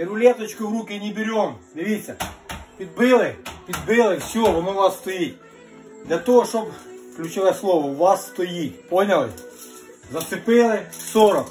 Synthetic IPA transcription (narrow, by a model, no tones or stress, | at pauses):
bʲɪɾʊlʲet̪ɐt͡ɕkʊʋɾukʲɪnʲɪbʲɪɾʲomd̪ʲɪʋʲisʲːɐpʲid̪̚bɪlˠɪpʲid̪̚bɪlˠɪfsʲɔʋɔnoʊʋɑsːt̪ɔjit̚ʲ | d̪lʲɐt̪oɦɔʃobklʲʉt͡ʃɪʋatʲslˠoʋɐʊʋɑsːt̪ɔjiponʲɐlˠɪ | zɐt̪sɪpɪlˠɪsoɾɔk